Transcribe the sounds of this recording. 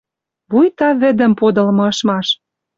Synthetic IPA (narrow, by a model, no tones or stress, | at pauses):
βujt̪ɑβɘ̆d̪ə̆mpod̪ɤ̆lmɤ̆ɤ̆ʃmɑʃ